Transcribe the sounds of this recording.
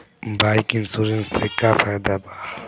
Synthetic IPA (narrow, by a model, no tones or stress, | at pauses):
bajkinsuɾinsekapʰajd̪aba